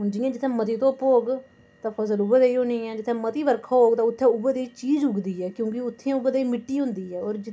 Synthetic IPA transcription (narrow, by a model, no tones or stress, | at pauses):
d͡ʒɪjãːd͡ʒɪt̪ʰːɛ̃ːmət̪iːt̪õːpoːɡ | t̪ãːpʰəsəlʊbəd̪eːiːɦoːnĩːɛ̃ːd͡ʒɪt̪ʰːɛ̃ːmət̪iːʋəɾkʰaːɦoːɡt̪ãːʊt̪ʰːɛ̃ːʊbəd̪eːit͡ʃiːd͡ʒʊɡd̪iːɦɛːkjõːk̬ɪʊt̪ʰːẽːʊbəd̪eːimɪʈːiːɦʊ̃nd̪iːɛːɔːɾd͡ʒɪ